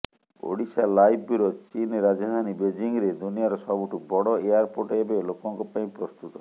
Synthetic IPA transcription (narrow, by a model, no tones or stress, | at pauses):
o̰ɽisalajbuɾot͡ʃinɾad͡ʒad̪ʱanibed͡ʒiŋɡɾed̪unijaɾɔsɔbuʈʰubɔɽɔejaɾpoʈebelokɔŋkɔpaĩpɾɔst̪ut̪ɔ